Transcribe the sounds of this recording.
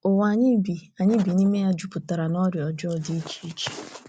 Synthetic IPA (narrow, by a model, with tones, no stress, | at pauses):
o˨wa˨ɲɪ˦bi˨a˨ɲɪ˦bi˨ni˦me˦ja˦d͡ʒu˦pʊ˨ta˨ɾa˨nɔ˦ɾjɔ˨d͡ʒɔ˦ɔ˦˨di˦t͡ʃi̥˦t͡ʃi̥˦